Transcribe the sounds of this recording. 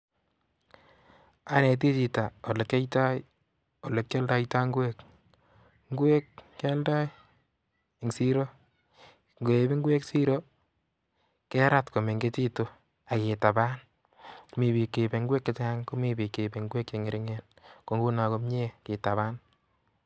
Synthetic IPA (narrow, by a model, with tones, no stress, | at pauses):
a˨ne˨t̬i˦t͡ʃi˨ta˨o˨le˨ke˦jta˦j | o˨le˨k̚t͡ʃe˦lda˦ijta˦ŋɡwe˦k | ŋ˦ɡwe˦kke˦lda˦j | ŋsi˦ɾo˦ | ŋɡe˨bi˦ŋɡwe˦ksi˦ɾo˦ | ke˦ɾa˦tko˨me˨ŋɡe˦t͡ʃi˦to˦ | a˨kɪ˨ta˨baː˦n | mi˨bi˨kːe˨be˨ŋɡwe˦kːɪ˦taŋko˦mi˦bi˨kːe˨be˨ŋɡwe˦k̚t͡ʃe˨ŋɪ˨ɾɪ˦ŋe˦n | ko˨ŋɡu˦na˨ko˦mɲe˦kɪ˨ta˨βaː˦n